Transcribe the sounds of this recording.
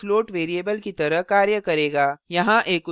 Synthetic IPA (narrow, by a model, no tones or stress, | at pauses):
floːʈʋeːɾieːbəlkit̪ɐɾəɦkaːɾjəkɐɾeːɡaːjɐɦãʔeːkʊ